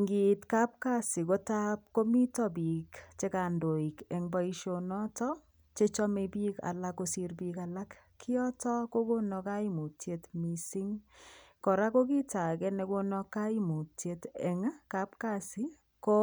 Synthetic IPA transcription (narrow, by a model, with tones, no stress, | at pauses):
ŋɡi˨tka˦p̚ka˦sɪ˨ko˦ta˦p̚ko˦mi˦tɔ˦bi˨kt͡ʃe˦ka˨ndo˨i˨kɛ˨ŋba˦i˦ʃo˦nɔ˦tɔ˦ | t͡ʃe˦t͡ʃɔ˦me˨bi˦ka̰˨la˦ko˦si˦ɾbi˦ka˨la˦kːʰɪ˦ɔ˦tɔ˦ko˦ɡo˦nɔ˧ka˦i˦mu˨tje˨˦tmi˨si˦ŋkɔ˨ɾa˦ko˦ki˦ta˨ɡɛ˦nɛ˨ɡo˦nɔ˦ka˦i˦mu˨tje˦tɛ˨ŋa˦ka˦pka˦˨sɪ˦ | ko˦